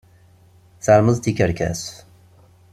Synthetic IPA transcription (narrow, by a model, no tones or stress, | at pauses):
θaɾməzˤt̪ikəɾkæ̰s